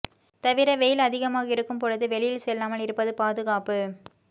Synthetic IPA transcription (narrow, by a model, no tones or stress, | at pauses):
t̪ɐʋɪɾɐʋɛjɪlɐðɪɣɐmaːɣɐɪɾɯkːɯmpɔɻɐðɯʋɛɭɪjɪlsɛlːaːmɐlɪɾɯpːɐðɯpaːðɯɣaːpɯ